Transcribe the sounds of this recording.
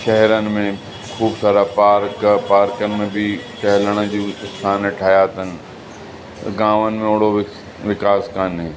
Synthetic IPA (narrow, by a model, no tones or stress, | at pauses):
ʃɛɦɛɾənɪ̆mẽ | xʰuːbsaːɾapaːɾkpaːɾkənɪ̆mẽbʱipɛɦləɽ̃ə̆d͡ʑũɪst̪ʰaːnəʈʰaːjat̪ən̆ | ɡãːʋənɪ̆mẽʊɽ̤oʋ | ʋɪkaːskanɦeː